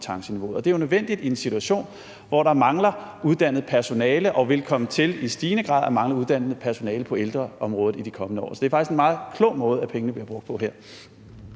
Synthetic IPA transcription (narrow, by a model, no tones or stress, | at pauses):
t͡sʰɑ̈ŋɕəniʋo̝ɒ̽d̥e̝æjonøðˠʋen̰d̥id̥ie̝nsit͡sʰuæɕo̝̰ːn | ʋɒɾɑ̈mɑ̈ŋlɐuð̞ˠd̥æn̰ð̞̩ˠpʰæɐso̝nɛːləʔɒ̽ʋe̝lkʰɒ̽mət͡sʰe̝lisd̥iːnəɡ̥ʁɑ̰̈ðˠæmɑ̈ŋlɐuðˠd̥æn̰ð̩ˠpʰæɐso̝nɛːləpʰɒ̽eld̥ʁɐʔɒ̽mʁɔ̽ːð̩ˠid̥ikʰɒ̽mənəɒ̰ːsɒ̥d̥e̝æɐfɑ̈ɡ̥isɡenmɑ̈ːð̩ˠkʰlɔ̰̽ʊ̰mɔ̽ːð̞̩ˠæpʰeŋənəb̥liɐb̥ʁɔ̽ɡ̥̚d̥pʰɒ̽ɦeɐ̰